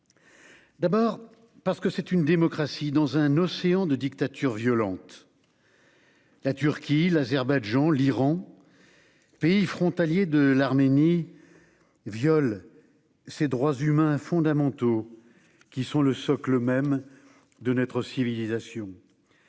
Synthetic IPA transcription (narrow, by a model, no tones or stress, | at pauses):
d̪abɔːʁ | paʁsə̥kəsɛt̪ynd̪emɔkχasid̪ɑ̃zɛ̃nɔseɑ̃d̪əd̪ik̚t̪at̪ʰyʁvjɔlɑ̃t̪ | lat̪yʁkʲilazɛʁbaʒɑ̃liʁɑ̃ | peifχɔ̃t̪aljed̪əlaʁmeni | vjɔl | sed̪ʁwazymɛ̃fɔ̃d̪amɑ̃t̪o | kʲisɔ̃ləsɔkləmɛm | d̪ənɔt̪χəsivilizasjɔ̃